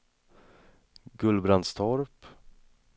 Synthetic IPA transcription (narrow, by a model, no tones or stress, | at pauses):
ɡɵlbɾand̪st̪ʰɔɾp